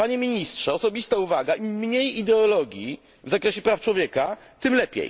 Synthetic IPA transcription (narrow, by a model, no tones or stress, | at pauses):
paɲemʲiɲistʂɛɔsɔbʲist̪auvaɡaʔimɲejid̪ɛɔlɔɡʲjḭ | vzakɾɛɕɛpɾaft͡ʂwɔvʲjɛkat̪ɘmlɛpʲjḛj